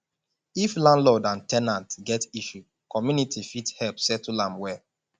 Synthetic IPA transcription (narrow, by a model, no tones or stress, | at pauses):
iflãndlodãntɛnãntɡɛtiʃu | kɔmjunitʰifithɛlpsɛtulãmwɛ